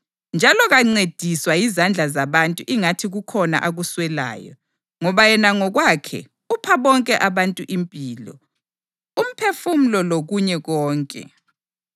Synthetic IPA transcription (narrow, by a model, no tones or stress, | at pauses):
nd͡ʒʱalɔɣaŋ͡ǀed̥ʱiswajizand͡ɮʱazaβantʼuʔiŋatʰiɣukʰɔna̰ʔaɣuswɛla̰ːjɔ̰ | ŋɔβajɛnaŋɔɣwakʰɛ̰ | upʰaβɔŋkʼɛʔaβantʼuʔimpʼiːlɔ̰ | um̩pʰefum̩lɔloɣuɲɛɣɔːŋkʼɛ̰